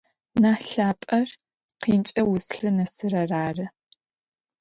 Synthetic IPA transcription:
naːɬaːpʼɐr | qiːnt͡ʃʼɐwʊsɬɨnɐsɨrɐraːrɨ

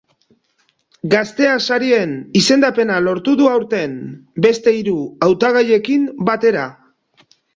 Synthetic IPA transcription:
ɡast̪e̞asaɾie̞nise̞nd̪ape̞nalo̞ɾt̪uðuawɾt̪e̞mbe̞st̪e̞iɾuawt̪aɣ̞aje̞kimbat̪e̞ɾa

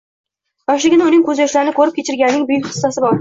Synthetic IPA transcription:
jɒʃlɪɡʲɪnɪʊnɪŋkʰɵzjɒʃlaɾɪnɪkʰɵɾɪp̚kʲʰet͡ʃʰɪɾɡʲanːɪŋbʊjɪkʲχɨ̥sːasɪbɒɾ

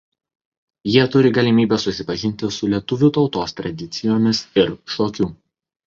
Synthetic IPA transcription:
jiɛt̪ʊɾʲɪɡɐlʲɪmʲiːbʲɛsʊsʲɪpɐʒʲɪnʲt̪ʲɪsʊlʲiɛt̪ʊʋʲuːt̪ɒʊt̪oːst̪ɾɐd̪ʲɪt̪sʲɪjoːmʲɪsɪɾʃoːkʲuː

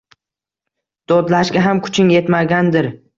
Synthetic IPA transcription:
d̪̥od̪laʃɡʲaɦamkʰʊ̥t͡ʃʰɪŋe̞t̪maɡʲand̪ɪɾ

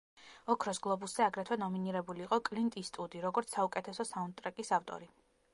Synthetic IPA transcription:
ɔkʰɾɔsɡlˠɔbusz̥ɛaɡɾɛt̪ʰwɛnɔminiɾɛbuliːqʼɔkʼlint̪ʼist̪ʼud̪iɾɔɡɔɾt̪ssaukʼɛt̪ʰɛsɔsaunt̪t̪ʼɾakʼisaft̪ʼɔ̰ɾi

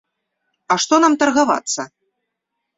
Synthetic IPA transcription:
ɐʂt̪ɔnamt̪ɐrɣava̰t̪sːɐ

